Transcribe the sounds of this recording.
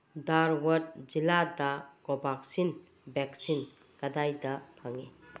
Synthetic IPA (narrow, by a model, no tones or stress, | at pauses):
daɾwɐtd͡ʒiladakɔbʱak̚sin | bɛksin | kadajdapʰaŋe